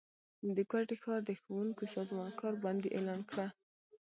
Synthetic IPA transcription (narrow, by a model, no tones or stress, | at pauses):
d̪əkwaʈexɑɾd̪əxowuŋkosɑzmɑnkɑɾbɑnd̪eʔelɑnkɽa